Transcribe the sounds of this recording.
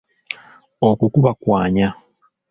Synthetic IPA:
okukuβakwaːɲa

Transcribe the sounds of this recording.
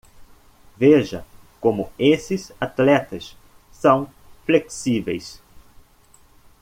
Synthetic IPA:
veʒɐ | komʊesɪsat̪lɛt̪ɐsː | ɐ̃w̃ | fleksivejs

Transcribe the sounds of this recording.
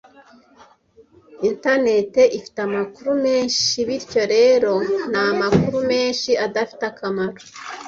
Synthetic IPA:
intane̞te̞ʔifi̥tamakuɾume̞ːnʃiβiɾco̞ɾe̞ɾo̞namakuɾume̞ːnʃiadafi̥takamaɾo

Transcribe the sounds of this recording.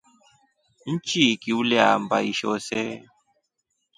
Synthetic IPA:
n̩t͡ʃikiwulɛa̰m̩ba̰iʃo̰se

